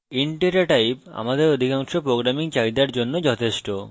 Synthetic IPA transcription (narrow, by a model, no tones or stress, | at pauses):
iɳʈeɾaʈajpa̰mad̪eɾod̪ʱikaŋʃopɾoɡɾamiŋt͡ɕajd̪aɾd͡ʑonːod͡ʑɔt̪ʰeʃʈo